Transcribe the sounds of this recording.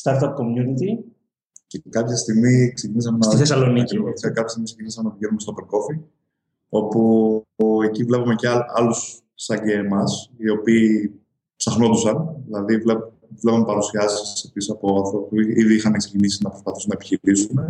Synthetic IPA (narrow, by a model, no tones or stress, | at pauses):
st̪ɐɾt̪ɐp̚komjunit̪i | cekɐpçɐst̪iɣmiksecinisɐmensθes̬ɐlonicɾiokseɾkɐpçest̪imisecicinisɐmouʝenumest̪opeɾko̞fi | o̞pu | e̞civle̞pɐme̞ceɐlusː | ɐɟeːmɐsio̞piː | psɐxno̞t̪usɐnðilɐðivle | vlepume̞pɐɾusiɐsssepisisɐpo̞ɐθopuiiðiixɐneksecinisinɐpɾo̞spɐθisunɐepiçiɾisume̞